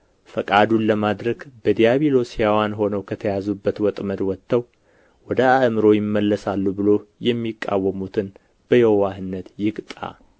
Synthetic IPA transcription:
fəkʼad̪unləmad̪ɾəɡbəd̪ijaβilo̞sjawanɦo̞nəwkʰət̪ʰəjazubːət̪wɔt̪ʼməd̪wɔt̪ːəw | wɔd̪əaʔmɨɾo̞jɪmːəlːəsalːubɨlo̞jɛmːikʼːa̰wːəmut̪ʰɨn | b̥əjɛwwahɨnːət̪jɪkʼt̪ʼa̰

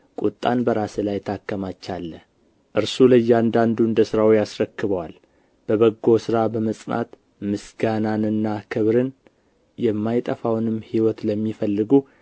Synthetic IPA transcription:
kʼut̪ʼːanbəɾasɨlajt̪ʰakːəmat͡ʃːalːə | ʔɨɾsulɨjːand̪and̪uɨnd̪əsɨɾawjasɾəkːɨβəwal | b̥əβəɡo̞sɨɾabəməsʼna̰t̪ | mɨsɡananɨnːakʰɨβɾɨn | jɛmːajt̪ʼəfawnɨmːhiwɔt̪ləmːifəlːɨɡu

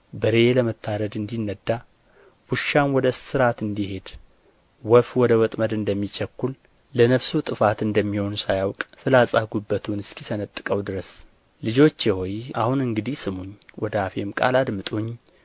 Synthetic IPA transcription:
bəɾeeləmət̪ʰːaɾəd̪ɨnd̪inːəd̪ːa | b̥uʃːanwɔd̪əsɨɾat̪ɨnd̪ihe̞d̪ | wɔfwɔd̪əwɔt̪ʼməd̪ɨnd̪əmːit͡ʃʰɛkʷːul | lənəβsut̪ʼɨfat̪ɨnd̪əmːiho̞nsajawkʼfɨlasʼaɡubːət̪ʰunɨskʰisənət̪ʼːɨkʼəwd̪ɨɾəs | lɨd͡ʒo̞t͡ʃːewɔja̰hunɨŋɡɨd̪ihsɨmuɲːwɔd̪əafemkʼa̰lad̪mɨt̪ʼuɲ

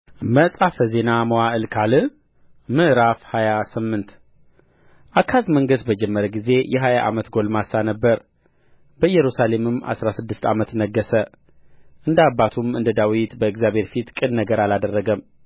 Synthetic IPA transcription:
məsʼafəze̞naməwaʔɨlkʰalɨ | mɨʔɾafhajasɨmːɨnt̪ | ʔakʰːafməŋɡəsbəd͡ʒɛmːəɾəɡize̞jʔɛɦajaʔa̰mət̪ɡo̞lmasanəbːəɾ | bəjɛɾusale̞mɨma̰sɾasɨd̪ːɨst̪ʰa̰mət̪nəɡːəsə | ʔɨnd̪abːat̪ʰumɨnd̪əd̪awit̪bəɨɡzjabhe̞ɾfit̪kʼɨnnəɡəɾalad̪ərːəɡəm

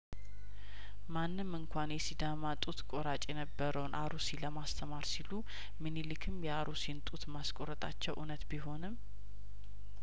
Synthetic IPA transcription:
manːɨmːɨŋkʷʰanjɛsid̪amat̪ʼut̪kʼo̞ɾat͡ʃʼjɛnəbːəɾəwnʔaɾusiləmast̪ʰəmaɾsilu | mɨnilɨkʰɨmjɛaɾusint̪ʼut̪maskʼoɾət̪ʼat͡ʃːɛwʔunət̪biɦo̞nɨm

